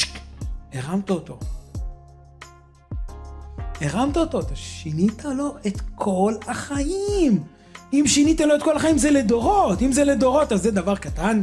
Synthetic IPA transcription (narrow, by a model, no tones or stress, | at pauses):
eʁamt̪aot̪o | eʁamt̪aot̪ot̪oʃinit̪alo̞ʔet̪kʰo̞lhaχaim | imʃinit̪aloet̚kolhaχaimzeled̪o̞ʁotimzeled̪o̞ʁo̞tazːed̪avaʁkat̪an